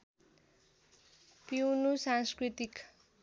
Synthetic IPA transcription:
piwnusãŋskɾit̪ik

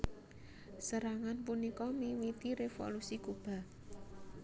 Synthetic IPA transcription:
səɾaŋanpunikɔmiwit̪iɾefo̰lusikub̥a̤

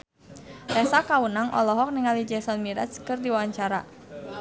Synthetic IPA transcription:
rɛsakawunaŋʔɔ̰lɔɦɔk̚niŋalid͡ʒɛsɔnmiɾɛ̰skɨrdiwawaɲt͡ʃaɾa

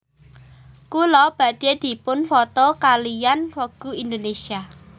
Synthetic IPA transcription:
kulɔb̥a̤d̪̥ed̪̥i̤pʊnfɔt̪ɔkalijanrɔɡ̥ṳind̪onesia

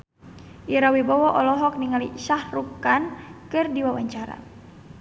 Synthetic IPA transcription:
ʔiɾawibɔwɔʔɔlɔɦɔk̚niŋalḭʃahrukːankɨrdiwawaɲt͡ʃaɾa̰

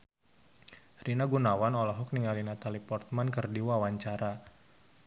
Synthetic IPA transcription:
rinaɡunawanɔlɔɦɔk̚niŋalinat̪alipɔrt̪̚mankɨrdiwawaɲt͡ʃaɾa

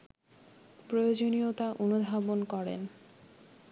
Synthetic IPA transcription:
pɾojod͡ʑoniot̪aʔonub̪ʱabonkɔɾḛn

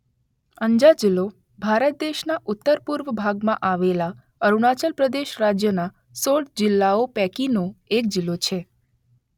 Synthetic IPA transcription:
əɲd͡ʒad͡ʒɪlːo | bʱaɾət̪̚d̪eʃnaʔʊt̪ːəɾpuɾʋəbʱaɡmãʔaʋela | əɾuɽ̃at͡ʃəlpɾəd̪eʃɾad͡ʒjəna | soɽd͡ʒɪlːaopɛkinoek̚d͡ʒɪlːot͡ʃʰe

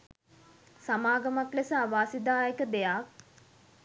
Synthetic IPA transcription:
samaːɡəmaklesaːʋaːsid̪aːjəkəd̪ejak̚

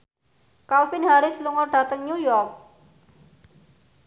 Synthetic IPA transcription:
kalfinɦaɾɪsluŋɔrɖ̥ä̤t̪əŋɲujɔrk̚

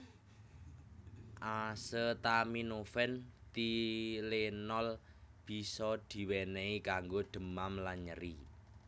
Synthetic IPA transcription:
ʔasət̪aminofɛnt̪ilenɔl | b̥i̤sɔd̪̥i̤wɛneikaŋɡod̪̥ə̤mamlaɲəɾi

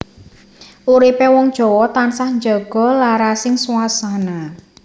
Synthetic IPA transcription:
ʔuɾipewɔŋd̥ʒ̥ɔ̤wɔt̪ansahɲd͡ʒɔɡ̥ɔ̤laɾasɪŋsuwasana

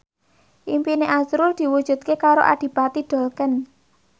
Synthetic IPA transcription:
ʔimpineʔazɾʊrd̪̥i̤wud̥ʒ̥ṳt̪̚kekaɾo̰ʔa̰ɖ̪̥i̤pat̪iɖ̪̥o̤lkən

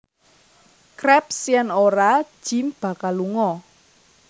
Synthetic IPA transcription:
krɛp̚sijɛnoɾḁʒ̥i̤mb̥a̤kalːuŋɔ

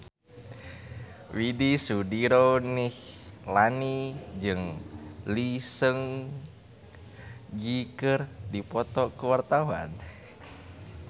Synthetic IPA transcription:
widisudiɾonihlanid͡ʒɨŋlisəŋ | ɡikərdipɔt̪ɔkuwart̪awa̰n

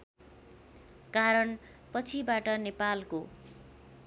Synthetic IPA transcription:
kaɾʌn | pʌt͡sʰibaʈʌnepalko

